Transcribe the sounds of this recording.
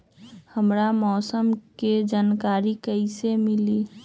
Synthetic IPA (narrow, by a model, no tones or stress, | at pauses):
həmɾamɔːsəmked͡ʒaːnkaːɾikəɪsemɪli